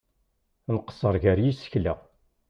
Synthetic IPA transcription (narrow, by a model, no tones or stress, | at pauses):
nəqə̥sˤːəɾˤʝæɾjisə̥çlæ̰